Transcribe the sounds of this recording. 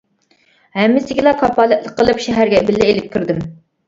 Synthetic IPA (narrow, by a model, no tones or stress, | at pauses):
hɛmːɪsɪɡʲilˠɑkʰɑpɑlˠɛt̪lˠək̚qːəlˠɨpʃɛɦæɾɡʲɛbɪlːɪelɪp̚ʲkʰʲɪɾd̪ɪm